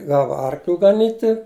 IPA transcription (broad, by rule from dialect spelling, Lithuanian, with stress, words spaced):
ˈɡɑːʋɐ ˈɐrklʲʊ ɡɐˈnʲiːtʲɪ